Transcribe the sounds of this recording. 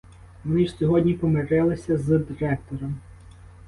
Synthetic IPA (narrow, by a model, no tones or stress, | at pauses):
mɔniʃsʲɔɦɔdʲnʲipɔmeɾɪlˠɪsʲɐzd̪ɪɾɛk̚t̪ɔɾɔm